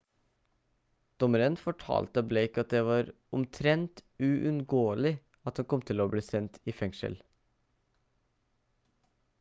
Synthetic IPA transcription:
d̪̥ɔməɾənfɔʈʰɑ̰ːlt̪əəbleɪkɑt̪̚d̪eːʋɑːɾ | ʊmt̪ʰɾɛnt̪ʉʔʉnɡoːlɪ | ɑt̪hɑnkʰɔmt̪ʰɪloːbliːsɛnt̪ʰiːfɛŋʃə̰l

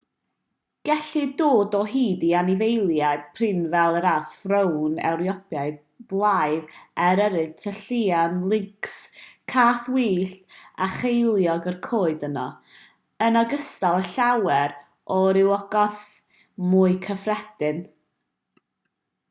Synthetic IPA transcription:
ɡ̥ɛɬidoːdɔɦiːdianɪvejlˠjad̥̚pʰrɪnvɛlˠəɾafrəwnɛ̰wɾjɔpʰjaɨd | b̥lˠajðɛɾəɾɨtʰəɬiːanlˠɪŋkskʰaːθwiːɬtaχejlˠjɔɡərkʰoːɨdənɔ̰ | ənaɡəstalˠəɬawɛɾ | ʔɔɾɪwɔɡ̥ɔθ | muːɨkʰəfrɛdɪn

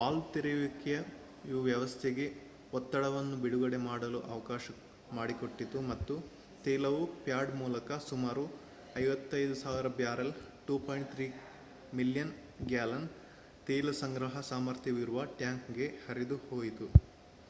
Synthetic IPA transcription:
aːlt̪iɾiʋikjɐ | iʋuʋjɐʋɐst̪ʰeɡe̞ | ɔt̪ːɐɽɐʋɐnːubiɽuɡɐɽe̞maːɽɐluʔɐʋɐkaːʃɐ | maːɽiko̞ʈːit̪umɐt̪ːu | t̪ɛːlɐʋupjaːɖmuːlɐkɐsumaːɾu | ɐjʋɐt̪ːɐjd̪usaːʋiɾɐbjaːɾɐl | ʈuːpʰojɳʈt̪ʰɾiː | miljɐn | ɡjaːlɐn | t̪eːlɐsɐŋɡɾɐɦɐsaːmɐɾt̪ʰjɐʋiɾuʋɐʈjaːŋkɡe̞hɐɾid̪uhoːjit̪u

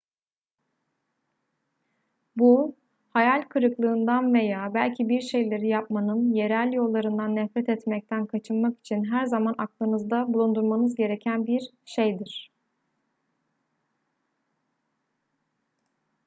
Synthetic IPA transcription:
bu | hajalʲkʰɯɾɯklˠɯːnd̪anve̞jaːbælʲcʰibiɾʃe̞jlʲe̞ɾijap̚manɯnje̞ɾælʲjo̞lˠːaɾɯnd̪anːɛfɾɛt̪ɛt̪mɛc̚t̪ʰænkʰat͡ʃʰɯnmaki̥t͡ʃʰinɦæɾzamanaklˠɯnɯzd̪abulˠund̪uɾmanɯzɟe̞ɾecʰænbiɾ | ʃe̞jd̪iɾ̥

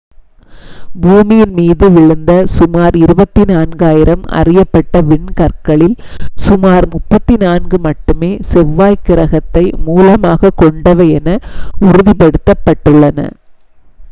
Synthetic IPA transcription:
buːmɪjɪnmiːðɯʋɪɻɯnd̪ɐsʊmaːɾɪɾɯbɐt̪ːinaːnɡɯaːjɪɾɐmɐ̰rɪjɐpːɐʈːɐʋɪɳkɐrkɐɭɪlsʊmaːɾmʊpːɐt̪ːinaːnɡɯmɐʈːɯmeːsɛʋːaːjkɪɾɐɣɐt̪ːɐɪmuːlɐmaːɣɐkːɔɳɖɐʋɐɛnɐʊɾʊðɪpɐɽɯt̪ːɐpːɐʈːɯɭːɐnɐ̰

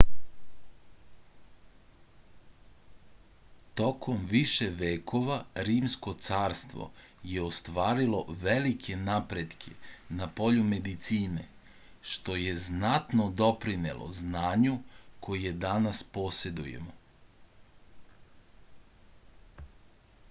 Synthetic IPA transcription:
t̪o̞kʰo̞mʋiʃe̞ʋeːkʰo̞ʋaɾiːmsko̞t̪saːɾst̪ʋo̞̰ | jeost̪ʋaːɾilo̞ʋe̞likʰe̞napɾe̞d̪kʰe̞napo̞ʎume̞d̪it̪siːne̞ | ʃt̪o̞je̞znat̪nod̪o̞pɾinḛlˠo̰znaːɲukʰojed̪anaspo̞sed̪ujḛmo

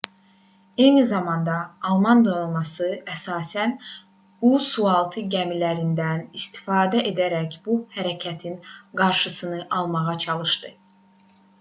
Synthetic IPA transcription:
e̞jnizɑmɑnd̪ɑːlˠmɑnd̪olˠmɑsɯæsɑːsæn | usuɑlˠt̪ʰɯɟæmilæɾind̪ænist̪i̥fɑːd̪æʔe̞d̪æɾæcb̥uhæɾæcʰæt̪ʰinɡɑɾʃɯsɯnɯʔɑlˠmɑʁɑt͡ʃʰɑlˠɯʃt̪ɯ

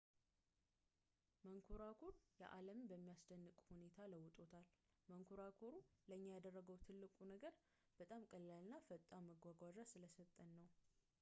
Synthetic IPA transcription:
məŋkʰoɾakʰoɾjɛ̰ʔaləmbəmːijasd̪ənːɨkʼhune̞t̪ʰaləwːʊt̪ʼo̞t̪ʰalməŋkʰoɾakʰoɾuləɲːajad̪ərːəɡəwt̪ʰɨlːɨkʼunəɡəɾ | b̥ət̪ʼamkʼəlːalnːafət̪ʼːaməɡʷaɡʷaʒasɨləsət̪ʼːənːəw

